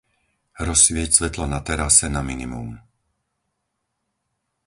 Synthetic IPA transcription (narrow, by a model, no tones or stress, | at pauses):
ɾɔsʋɪɛcsʋɛt̪lɔnat̪ɛɾasɛnaminimṵm